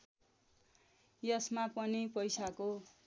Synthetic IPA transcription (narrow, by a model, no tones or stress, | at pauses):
jʌsmapʌnipʌjsako